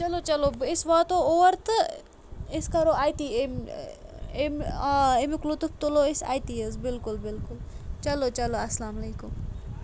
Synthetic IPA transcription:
t͡ʃɐloːt͡ʃɐlobɪsʋɐt̪oːoʋɐɾt̪ɨ | ɪskɐɾoaːjt̪iem | ememiklut̪up̚t̪uloɪsa̰ːjt̪iɐzbɪlkʊlbɪlkʊlt͡ʃɐlot͡ʃɐloɐslaːmɐleːkum

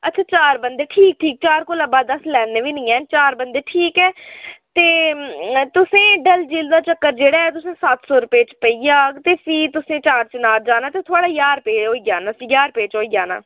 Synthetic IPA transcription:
ətːt͡ʃʰaːt͡ʃaːɾbənd̪eːʈʰiːk̚ʈʰiːk̚t͡ʃaːɾkoːlãːbaːd̪əslɛːnːeːʋiːnĩːɛːnt͡ʃaːɾbənd̪eːʈʰiːkɛːt̪eː | t̪ʊsẽːɖəld͡ʒiːld̪aːt͡ʃəkːəɾd͡ʒeːɽaːɛːt̪ʊsẽːsat̪ʰsɔːɾʊpeːt͡ʃpəiːjaːt̪eːpʰiːt̪ʊsẽːt͡ʃaːɾt͡ʃənaːld͡ʒaːnaːt̪eːt̪ʰʊaːɽaːjaːɾpeːɦoːiːɡjaːnaːjaːɾpeːt͡ʃoːiːɡja̰ːna̰ː

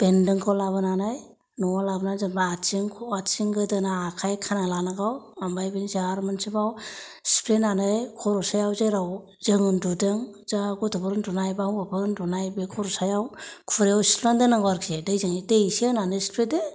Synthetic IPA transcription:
b̥endɯŋkʰawlaβɯnanaj | nuwalabnazabaat͡ʃiŋkʰɔat͡ʃiŋɡɯdɯnaːkʰajkʰanalanaɡawambajbinzaɾmɯnsibaw | si̥pʰɾenanɯjkʰɔɾɔsajawzajɾaw | zɯŋɯndudɯŋzaɡutɯbɯɾndunajbawabɯɾndunajbɯkʰɔɾɔsajawkʰuɾejawsi̥pʰɾandɯnɯŋɡaɾkʰiedɯjzɯŋijdejsienanɯjsi̥pʰɾede

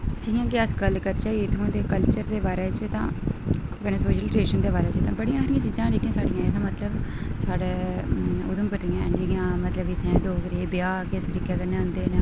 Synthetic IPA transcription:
d͡ʒijãːkɪəskəlkəɾt͡ʃaːiɪt̪ʰãːd̪eːkəlt͡ʃəɾd̪eːbaːɾeːt͡ʃt̪ã̰ː | kəneːsoːʃəlʈɾeːʃənd̪eːbaːɾeːt͡ʃt̪ãːbəɽijãːɾɪjãːt͡ʃiːzãːɾikijãːsaːɖɪjãːet̪ʰãːmət̪ləbsaːɽeː | ʊd̪əmpət̪ijãːɛ̰ɳd͡ʒijãːmət̪ləbɪt̪ʰːeãːɖoːɡɾeːbɪjaːkɪsɡɾɪkːeːkənẽːʊ̃nd̪eːne

